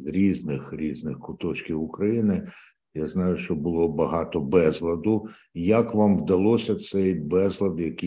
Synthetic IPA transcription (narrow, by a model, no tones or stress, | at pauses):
zɾʲiznɪxɾʲiznɪxkʊt̪ɔt͡ʃkʲiwʊkɾɐjinɪ | jaznɑjʊʃt͡ʃɔbʊlˠɔbɐɦɑt̪ɔbɛzlˠɐd̪ʊ | jɐkʋɑmʋd̪ɐlˠɔsʲɐt̪sɛjbɛzlˠɐd̪jɐki